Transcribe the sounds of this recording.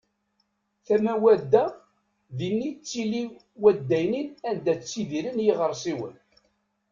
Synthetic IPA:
θæmæwæd̪ːæ | ðinːit͡sːili | wæd̪ːæjninænd̪æt͡sːiðiɾənjiʁəɾˤsiwə̰n

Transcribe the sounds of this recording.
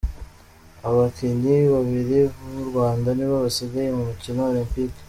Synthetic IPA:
aβakindiβaβiɾiβuβuɾɡwaːndaniβaβasiɡajemumicinoolimpik

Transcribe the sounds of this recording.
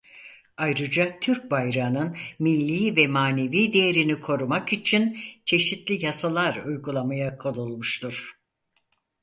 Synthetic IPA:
ajɾɯd͡ʒat̪ʰyɾk̚bajɾanɯnmilʲːiːvɛmaːne̞viːd̪e̞jeɾinikʰo̞ɾumakit͡ʃʰint͡ʃʰe̞ʃit̪lʲijasalˠaɾujɡulˠamajakʰolˠulˠmuʃt̪ʰuɾ̥

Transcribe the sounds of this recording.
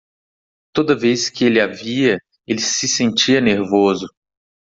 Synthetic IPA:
t̪od̪ɐveskɪelɪaviɐ | elɪsɪsẽnt͡ʃiɐneɾvozʊ

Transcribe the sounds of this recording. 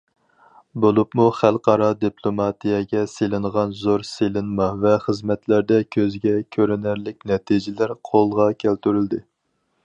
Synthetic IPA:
bolˠupmuχælˠqɑɾɑd̪iplˠomɑt̪ijɛɡʲɛselɪɴʁɑnzoɾselɨnmɑvɛχəzmɛt̪ʰlæɾd̪ɛkʲʰøzɡʲɛkʲʰøɾɪnæɾlɪk̚ʲnɛt̪ʰid͡ʒɪlæɾqʰolˠʁɑkʲʰælt̪yɾyld̪ɪ

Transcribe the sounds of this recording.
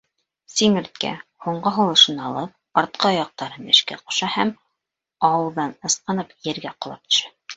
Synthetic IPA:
siŋɘ̆ɾt̪̚kæ̰huɴɢɤɦulˠɤ̆ʃɤnɑlˠɤp̚ɑɾt̪̚qɑɑjɑq̚t̪ɑɾɤnɘ̆ʃkæ̰qŏ̥ʃɑhæm | ɑwɤ̆lˠd̪ɑnɤ̆sqɤ̆nɤpjɘ̆ɾɡæqŏlˠɑp̚t̪ɵ̥̆ʃæ

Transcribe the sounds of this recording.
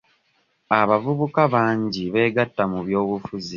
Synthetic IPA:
aβavuβukaβaːɲɟiβe̞ːɡatːamuβjo̞ːβufuzi

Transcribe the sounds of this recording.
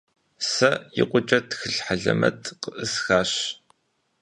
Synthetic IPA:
sɐjɪqʷʼʊt͡ʃʼɐtxɨɬħaɮɐ̰mɐtʰqəʔɨsxaːɕ

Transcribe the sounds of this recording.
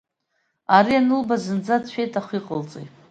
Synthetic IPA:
aɾianɨlbazɨnd͡zadt͡ɕʷʰᶣejtʼaχʷiqʼəlt͡sʼejtʼ

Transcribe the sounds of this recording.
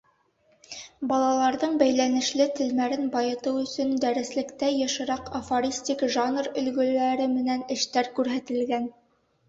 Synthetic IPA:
bɑlˠɑlˠɑɾðɤɴbæjlænɘ̆ʃlɘt̪ɘ̆lmæɾɘnbɑjɤ̆t̪ɤwɵ̆sɵnd̪æɾɘ̆slɘ̆kt̪æjɤ̆ʃɤ̆ɾɑqofoɾʲisʲtʲikʒɑnrɵ̆lɡɵ̆læɾɘmɘ̆nænɘ̆ʃt̪æɾkʉɾɦæt̪ɘ̆lɡæn

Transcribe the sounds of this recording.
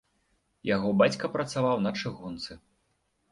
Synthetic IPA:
jaɣɔbat͡sʲkɐpɾɐt̪savawnɐt͡ʂɨɣɔnt̪sɨ

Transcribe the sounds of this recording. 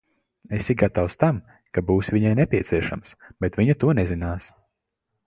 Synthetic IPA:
esiɡat̪awst̪am | kabuːsviɲajnɛpʲiɛt̪siɛʃa̰msb̥et̪viɲut̪uɔnɛzinaːs

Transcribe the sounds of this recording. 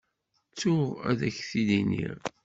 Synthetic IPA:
t͡sːʊʁæ̰ðæçθilinḭɾ

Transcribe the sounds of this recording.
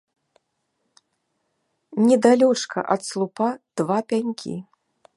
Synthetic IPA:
nʲɛd̪alʲɔt͡ʂkɐ̰ʔɐt̪slˠupad̪̥vapʲanʲkʲḭ

